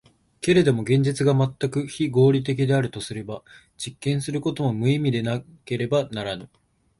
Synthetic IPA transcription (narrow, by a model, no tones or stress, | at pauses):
ke̞ɾe̞d̪o̞mo̞ɡẽ̞ɲ̟d͡ʑit͡sɨɡamat̪ːakɯ̟çiɡo̞ːɾʲit̪̬e̞k̬ʲid̪e̞aɾɯ̟t̪o̞sɨɾe̞ba | d͡ʑikːẽ̞ɰ̃sɨɾɯ̟ko̞t̪o̞mo̞mɯ̟imʲid̪e̞nake̞ɾe̞banaɾanɯ̟